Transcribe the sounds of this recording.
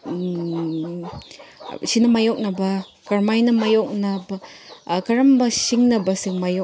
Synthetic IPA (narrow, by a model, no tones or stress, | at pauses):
sinɐmajɔk̚nɐbɐ | kaɾmajnɐmajɔk̚nɐbɐkɐɾɐmbɐsiŋnɐbɐsiŋmajok̚